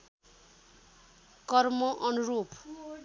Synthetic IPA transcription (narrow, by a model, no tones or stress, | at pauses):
kʌrmʌʔʌnuɾup